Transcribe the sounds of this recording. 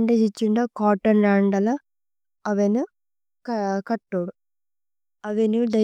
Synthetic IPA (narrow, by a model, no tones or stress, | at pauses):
ɳɖed͡ʑit͡ɕːuɳɖokoːʈːɐnɾaːɳɐɳɖɐlɐ | ɐʋɐnu | kkɐʈːoːɽu | ɐʋɐnud̪ɐ